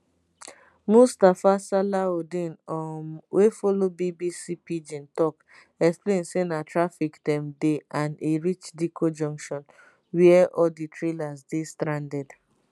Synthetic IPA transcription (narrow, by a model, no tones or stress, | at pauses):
mustafasalaodĩnɔmwefɔlobibisipid͡ʒĩntɔk | ɛksplẽnsenatɹafikdɛ̃mdeãneɹit͡ʃdikʰod͡ʒɔ̃ŋkʃɔ̃n | wiɛʔɔditɹelasdestɾãndɛd